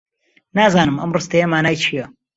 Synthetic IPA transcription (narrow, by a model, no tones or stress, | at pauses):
naːzaːnɨmʔɐ̰mrɨst̪ɐjɐmaːnaːjt͡ʃʰijɐ